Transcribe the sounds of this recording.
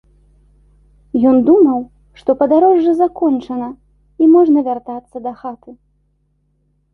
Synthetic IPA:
jɔnd̪umɐw | ʂt̪ɔpɐd̪aɾɔʐːɨzakɔnt͡ʂɐnɐ | imɔʐnɐvʲart̪at̪sːɐd̪ɐxat̪ɨ

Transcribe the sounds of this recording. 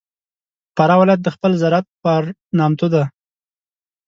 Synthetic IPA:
paɾɑwɪlɑjat̪̚d̪əxpəlzaɾat̪̚paɾnɑmt̪od̪a

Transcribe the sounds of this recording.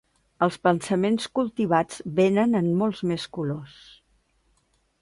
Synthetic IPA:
əlˠspənsəmenskulˠt̪iβ̞ad͡zβenənənmɔlˠzmeskulos

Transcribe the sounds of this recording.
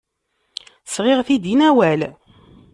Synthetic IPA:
sʁɪʁθid̪inæwæl

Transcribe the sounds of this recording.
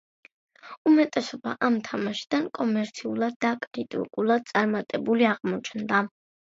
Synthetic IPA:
umɛt̪ʼɛsɔba̰ʔamt̪ʰamaʃi̥d̪ankʼɔmɛɾt̪sʰiulˠad̪ːakʼɾit̪ʼḭkʼulˠad̪̚t̪sʼaɾmat̪ʼɛbuliaʁmɔt͡ʃʰnd̪a

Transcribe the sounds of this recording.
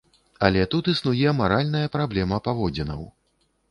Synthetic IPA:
alʲɛt̪ut̪isnujɛmaɾalʲnɐjɐpɾablʲɛmɐpavɔd͡zʲɛnɐ̰w

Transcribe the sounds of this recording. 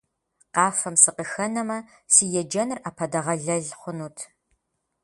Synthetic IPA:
qɑːfɐmsɨqəxɐnɐmɐsiːjɛd͡ʒɐnɨraːpʰɐdɐʁɐɮɐɮχʷʊnuːtʰ

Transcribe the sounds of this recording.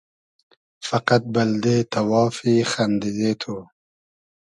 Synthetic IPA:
fɐqat̪̚bɐld̪et̪ʰɐwɑːfiːxand̪izeːt̪ʰu

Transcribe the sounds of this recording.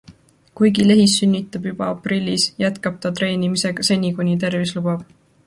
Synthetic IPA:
kujɡile̞ɦisːynʲːit̪ːˑɑb̥jub̥ɑɑprilʲːisjæt̪kɑb̥̚t̪ɑt̪ɾe̞ːnimise̞ɡ̥ɑse̞nʲikunʲit̪e̞rvislub̥ɑb̥

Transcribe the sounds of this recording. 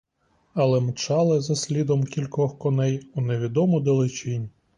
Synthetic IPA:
ɐlˠɛmt͡ʃɑlˠɪzɐsʲlʲid̪ɔmkʲilʲkɔxkɔnɛjuneʋʲid̪ɔmʊd̪elˠɪt͡ʃʲinʲ

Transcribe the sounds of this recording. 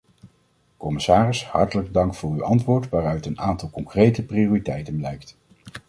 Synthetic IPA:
kɔmɪsaːrɪshɑ̰ɹtələɡ̚dɑŋkfʊːɹyʔɑ̰ntʋʊːɹtʋaːrœɥtənaːntɑlˠkɔŋkrejtəprioːritɛjtənblɛjkt

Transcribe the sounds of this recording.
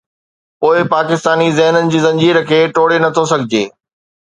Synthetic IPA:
poːɪpaːkɪst̪aːnizɛɦnənɪ̆d͡ʑiːzɐ̃ɲd͡ʑiːɾəkʰeːʈoːɽenɐt̪ʰosɐɡʱɪd͡ʑeː

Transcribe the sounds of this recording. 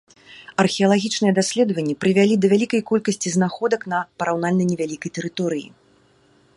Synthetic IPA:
ɐrxʲɛɐlˠaɣʲit͡ʂnɨjɛd̪asʲlʲɛd̪vɐnʲːɛpɾɨvʲalʲid̪ɐvʲalʲikɐjkɔlʲkɐsʲt͡sʲiznaxɔd̪ɐknɐpɐɾawnalʲnɐjnʲɛvʲalʲikɐjt̪ɛɾɨt̪ɔɾɨjḭ

